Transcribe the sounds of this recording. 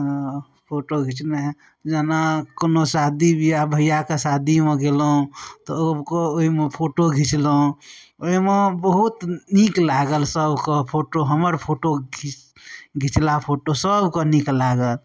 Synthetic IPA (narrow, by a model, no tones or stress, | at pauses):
pʰoʈoɡʱit͡ʃne | d͡ʒanakonosad̪ibʱijabʱəijakesad̪imẽɡelɦũt̪ɔəbkooɦimepʰoʈoɡʱit͡ʃlɦũoimebəɦut̪niklaɡəlsəbkɔpʰoʈoɦəməɾpʰoʈoi | ɡʱit͡ʃlapʰoʈosəbkɔniklaɡəl